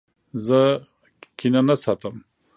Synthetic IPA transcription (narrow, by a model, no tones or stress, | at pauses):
zə | kinanasɑt̪əm